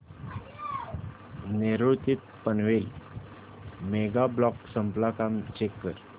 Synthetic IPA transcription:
neɾuɭt̪it̪̚pənʋel | meɡablɔksəmplakamt͡ɕekːəɾ

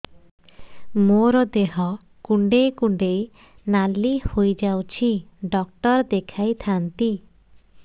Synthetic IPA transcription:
moɾɔd̪eɦɔ | kuɳɖejkuɳɖej | nalihojd͡ʒawt͡ʃʰiɖɔk̚ʈɔɾd̪ekʰajt̪ʰant̪i

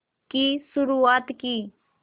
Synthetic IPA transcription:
kisʊɾuaːt̪kiː

